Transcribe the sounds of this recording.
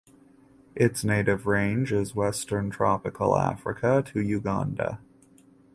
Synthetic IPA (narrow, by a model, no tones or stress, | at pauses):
ʔɪtsneɪɾɨvɹẽɪ̃nd͡ʒɪzwɛstə̃˞ntʰɹ̥ɑpɨkʰl̩ˠæ̰fɹɨ̰kʰəɾɨjʉɡɑ̰̃ndə̰